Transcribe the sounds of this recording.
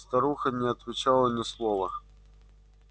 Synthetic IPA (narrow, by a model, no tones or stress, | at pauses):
st̪ɐɾuxənʲɪɐt̪vʲɪt͡ɕalˠənʲɪslˠovə